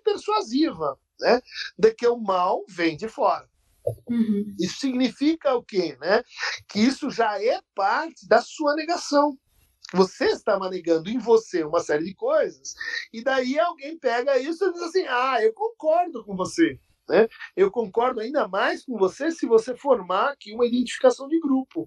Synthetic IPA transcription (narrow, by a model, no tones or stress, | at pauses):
peɾsuazivɐ | nɛd̪ɪkɪʊmawvẽj̃d͡ʒɪfɔɾɐ̃ | isʊ̥siɡnifikɐʊkenɛkɪisʊʒaɛpaɾt͡ʃɪd̪ɐsuɐneɡasɐ̃w̃ | voseɪst̪amaneɡɐ̃nd̪ʊẽj̃voseũmɐsɛɾɪd͡ʒɪkojzɐsɪd̪aiawɡẽj̃pɛɡɐisʊɪd͡ʒizasĩaewkõŋkɔɾd̪ʊkõvose | nɛewkõŋkɔɾd̪ʊaĩnd̪ɐmajskõvosesɪvosefoɾmaakiũmɐid̪ẽt͡ʃi̥fi̥kasɐ̃w̃d͡ʒɪɡɾupʊ